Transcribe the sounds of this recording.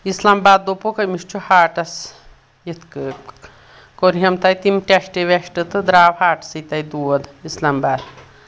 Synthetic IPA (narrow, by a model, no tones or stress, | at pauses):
islambaːd̪ːopokɐjmiʃt͡ʃʰuhaːʈɐs | jit̪ʰkɨ | koɾɦɐmt̪ɐjt̪imʈeʃʈeʋeʃʈɨt̪ɨd̪ɾaːʋhaːʈɐ̥sit̪ɐjd̪uɐd̪islambaːd̪